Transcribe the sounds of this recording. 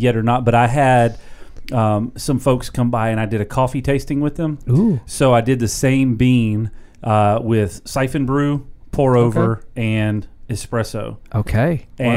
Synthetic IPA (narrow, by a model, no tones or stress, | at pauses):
jɛɾə˞nət̚b̥ʌɾaɪɨd̚ʌ̃msʌ̃ɱfoʊkskʰʌ̃mbaɪɨ̃ɾ̃aɪdɨɾɨkʰɔfitʰeɪstɪ̃ŋwɨðə̃musoʊaɪdɨd̪̚ðɨsẽɪ̃mbĩn | ʔʌwɪð̥saɪfɨ̃nbɹʉpʰɔɹoʊvə˞ɨ̃nɨspɹɛsoʊʔoʊkʰeɪɨ̃